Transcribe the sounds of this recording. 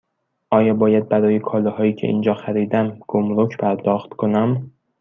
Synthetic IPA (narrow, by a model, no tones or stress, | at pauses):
ʔɒːjɒːbɒːjæd̪̚bæɾɒːjekʰɒːlɒhɒːjiːcʰe̞̰ʔḭnd͡ʒɒːxæɾiːd̪æmɡ̥omɾokʰpʰæɾd̪ɒːxt̪kʰonæm